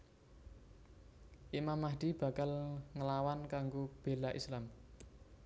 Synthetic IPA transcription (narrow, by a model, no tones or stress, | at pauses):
ʔimamːaɦd̪̥ib̥a̤kalŋəlawankaŋɡob̥e̤laʔislam